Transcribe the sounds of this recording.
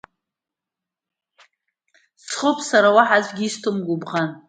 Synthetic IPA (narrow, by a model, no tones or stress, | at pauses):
sχəpʰʼsaɾawaħazʷɡʲistʰɨmɡʷʊbʁan